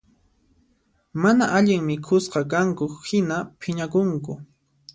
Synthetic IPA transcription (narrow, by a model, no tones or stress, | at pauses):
manaʔaʎɪŋmɪkʰʊsqɑkaŋkʊhɪnapʰɪɲakʊŋkʊ